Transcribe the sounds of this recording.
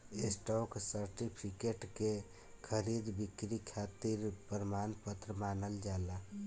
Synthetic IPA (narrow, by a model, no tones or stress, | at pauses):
esʈɔksəɾʈipʰikeʈke | kʰəɾid̪bikɾikʰat̪iɾpəɾəmaːnpət̪ɾəmaːnəld͡ʒala